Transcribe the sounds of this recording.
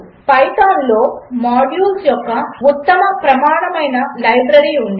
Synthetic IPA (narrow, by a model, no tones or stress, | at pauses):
pɐjt̪aːnlo̞ːmaːɖjuːlsjɔkːɐut̪ːɐmɐpɾɐmaːɳɐmɐjnɐlɐjbɾɐɾiːund̪i